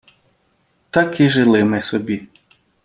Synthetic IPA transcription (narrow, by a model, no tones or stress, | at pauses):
t̪ɐkʰɪʒɪlˠɪmɪsɔbʲi